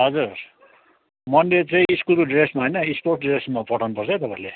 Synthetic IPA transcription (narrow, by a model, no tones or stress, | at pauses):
ɦʌd͡zur | mʌnlet͡sʌĩiskuloɖresmaɦojnʌisporʈɖresmapʌʈʰanupʌrt͡sʰʌjt̪ʌpaile